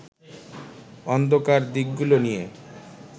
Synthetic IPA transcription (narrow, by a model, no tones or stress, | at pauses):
ɔnd̪okaɾd̪ikɡulonije